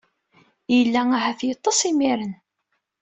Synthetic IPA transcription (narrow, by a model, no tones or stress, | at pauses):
jəlːæaɦæθjət̪ˤːɑsˤimiɾən